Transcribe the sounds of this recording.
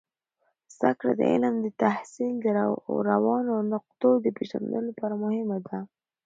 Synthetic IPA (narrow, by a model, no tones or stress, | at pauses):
z̥d̪a̰kɽa̰d̪ə̰ɪ̰ləmd̪ət̪ahsild̪əɾawɑnonʊq̚t̪od̪əpeʒa̰nd̪o̰lapɑɾamʊhɪmad̪a